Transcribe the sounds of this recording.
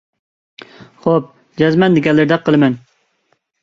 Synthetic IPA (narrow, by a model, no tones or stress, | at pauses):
χop̚ | d͡ʒɛzmɛnd̪ɪɡʲɛlːɪɾɪd̪ɛqʰːəlˠɨmɛn